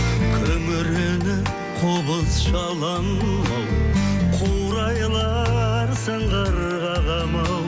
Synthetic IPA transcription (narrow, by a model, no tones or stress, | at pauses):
kʲʰɵmɪɾenɪ | qʰobəzʃɑlˠɑn | mɑwqʰuwɾɑjlˠɑɾsɑɴʁɑɾəʁɑʁɑmɑw